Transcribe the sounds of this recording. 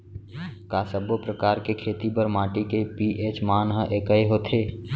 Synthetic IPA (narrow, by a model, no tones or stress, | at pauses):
kaːsəbopɾəkaːɾkekʰeːt̪ipəɾmaːʈikepiʔeːt͡ʃmaːnɦəʔeːkəeɦoːt̪ʰeː